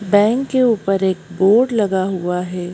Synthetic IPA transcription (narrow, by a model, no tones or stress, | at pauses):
bɛ̃ːŋkːeuːpəɾeːk̚boːɾɖlɐɡaɦuaɦɛː